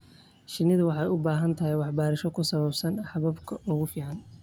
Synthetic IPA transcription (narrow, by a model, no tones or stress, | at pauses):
ʃɪnɪðʊwɑħɑjʊbaːɦɐnt̪ʰɐɦɛjwɑħbaːɾɪʃɔkʰʊsɐβɐbsɐnħɑβɐbkʰɐʔʊɣʊfiːʕɑn